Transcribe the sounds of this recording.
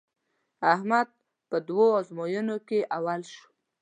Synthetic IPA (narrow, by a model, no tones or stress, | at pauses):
ahmad̪̚ | pəd̪woazmojunokeʔawalʃu̥